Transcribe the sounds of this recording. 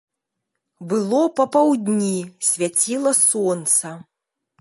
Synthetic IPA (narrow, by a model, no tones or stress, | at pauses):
bɨlˠɔpɐpawd̪ʲnʲisʲvʲat͡sʲilˠɐsɔnt̪sɐ